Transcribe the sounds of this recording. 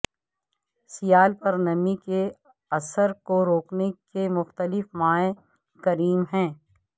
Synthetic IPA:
sijaːlpɐɾnɐmike | ɐsəɾkoɾoːknekemʊxt̪əlɪfmaːe | kɐɾiːmɦɛ̃ː

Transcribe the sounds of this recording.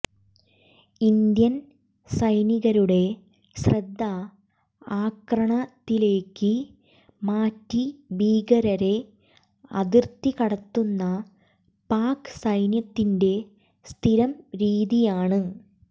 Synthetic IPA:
ind̪jɐn | sɐjniɣɐɾuɽe̞ | srɐd̪ʱːɐ | aːkrɐɳɐt̪ːile̞ːkːɨ | maːtːibiːɡɐɾɐɾe̞ | ɐ̰ðirt̪ːikɐɽɐt̪ːunːɐ | paːkɨ̥sɐjnjɐt̪ːinde̞ | st̪ʰiɾɐmɾiːðijaːɳɨ

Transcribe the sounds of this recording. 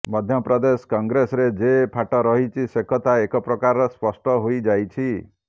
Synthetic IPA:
mɔd̪ʱjɔpɾɔd̪eskɔŋɡɾesɔɾed͡ʒepʰaʈɔɾɔɦit͡ʃʰisekʰɔt̪aekɔpɾɔkaɾɔspɔsʈɔɦojd͡ʒajt͡ʃʰi

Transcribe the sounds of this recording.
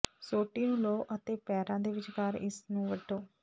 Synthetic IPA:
soːʈːiːnũːloːʔət̪eːpɛːɾãːd̪eːʋɪt͡ʃkəɾɪsnũːʋəʈʰːoː

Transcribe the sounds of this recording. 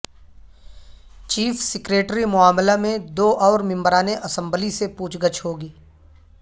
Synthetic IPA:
t͡ʃiːfsɪkɾeːʈɾimʊaːmlamẽd̪oːʔɔːɾmɪ̃mbəɾaːneʔɐsə̃mbəlisepuːt͡ʃɡət͡ʃʰɦoːɡiː

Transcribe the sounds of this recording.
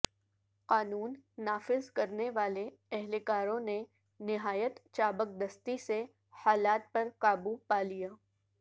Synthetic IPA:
qaːnuːnːaːfɪzkɐɾneʋaːle | ɛɦlekaːɾõne | nɪɦaːjət̪t͡ʃaːbək̚d̪ɐst̪ise | haːlaːt̪̚pɐɾkaːbupaːlijaː

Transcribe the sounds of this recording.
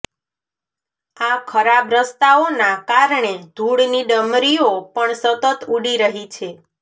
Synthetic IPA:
akʰəɾabɾəst̪aonakaɾɳed̪ʱuɽniɖəmɾiopəɳsət̪ət̪uɽiɾəɦit͡ʃʰe

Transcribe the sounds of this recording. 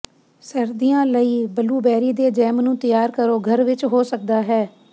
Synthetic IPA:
səɾd̪ijãːləiːbəluːbɛːɾiːd̪eːd͡ʒɛːmnũːt̪ɪjaːɾkəɾoːɡʱəɾʋɪt͡ʃɦoːsək̚d̪aːɦɛː

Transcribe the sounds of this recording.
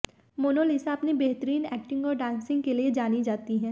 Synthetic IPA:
moːnoːlisaɐpnebeɦt̪əɾiːnɛːk̚ʈɪ̃ŋɡɔːɾɖãːnsɪ̃ŋɡ̚kelied͡ʒaːnid͡ʒaːt̪iɦɛ̃ː

